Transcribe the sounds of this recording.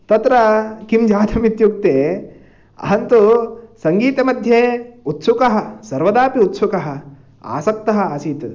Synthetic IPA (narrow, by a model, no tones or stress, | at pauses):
t̪ɐt̪ɾɐkimd͡ʒaːd̪ʰɐmit̪juk̚t̪eː | ɐ̰ɦɐnt̪usɐŋɡiːt̪emɐd̪ʱjeːut̪sukɐɦɐ̆sɐɾʋɐd̪aːpiut̪sukɐɦɐ̆ | a̰ːsɐk̚t̪ɐɦɐ̆aːsiːt̪